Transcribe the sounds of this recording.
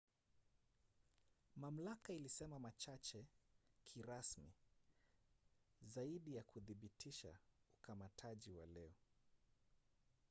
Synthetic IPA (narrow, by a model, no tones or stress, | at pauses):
mam̩lakailisɛmamat͡ʃat͡ʃɛkʰiɾasmi | zaiɗijakuðiɓitʰiʃa̰ukamatʰaʄiwa̰lɛɔ